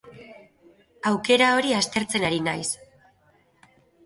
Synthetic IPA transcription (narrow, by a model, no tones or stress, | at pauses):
awke̞ɾao̞ɾiast̪e̞ɾt͡se̞naɾinajs